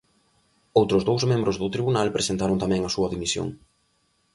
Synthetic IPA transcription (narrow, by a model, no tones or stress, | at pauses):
owt̪ɾʊzðowzmẽmbɾʊzðʊt̪ɾiβunalpɾesent̪aɾont̪amɛ̃ŋɐsuɐðimisjo̰ŋ